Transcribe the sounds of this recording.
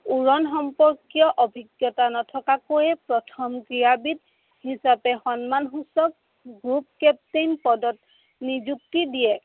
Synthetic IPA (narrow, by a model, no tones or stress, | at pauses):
uɹɔnxɔmpɔɹkijɔʔɔbʱiɡjɔtanɔtʰɔkakojɛpɹɔtʰɔmkɹiabit̚ | hisapɛxɔnmanxusɔk̚ | ɡɹup̚kɛp̚tinpɔdɔt̚ | nizuk̚tidijɛ